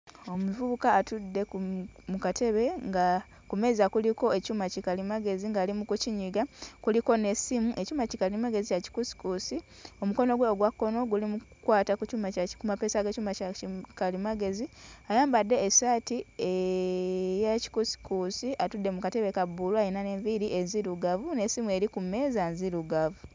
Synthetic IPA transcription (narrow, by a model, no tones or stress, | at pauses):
o̞muvuβukaːtudːe̞kmukate̞βe̞ŋɡa | kume̞ːzakuliko̞ecuːmacikalimaɡe̞ziŋɡaːlimukuciɲiɡakuliko̞ne̞simuʔe̞cuːmacikalimaɡe̞zijaci̥kusi̥kusi | o̞muko̞no̞ɡweoɡwakːo̞no̞ɡulimukwaːtakucuːmacakumapesaɡecuːmaaikalimaɡe̞ziajaːmbadːe̞ːsaːtie | jaci̥kusi̥kusiʔatudːe̞mukateβekabuluajinane̞ɱviɾiʔenziɾuɡavunesimue̞ɾikume̞zanziɾuɡavu